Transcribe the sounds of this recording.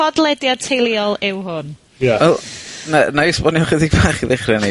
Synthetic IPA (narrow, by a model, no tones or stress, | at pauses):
ɔdlˠɛdjatʰejlˠiɔlˠɪwɦʊn | jaɛlnanajspɔnjɔχɛðiɡb̥aːχiðɪχrɛni